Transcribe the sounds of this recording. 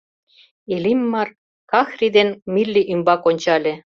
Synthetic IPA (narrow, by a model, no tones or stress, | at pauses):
elimːɑr | kɑxrid̪enmilʲːiʔymbɑkonʲt͡ɕɑlʲĕ